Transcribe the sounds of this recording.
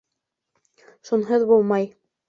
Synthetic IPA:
ʃunɦɤðbulˠmɑj

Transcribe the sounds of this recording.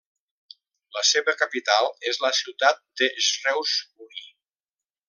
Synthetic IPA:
ləseβəkapit̪alˠezləsiwt̪at̪̚d̪əzrɛwzuni

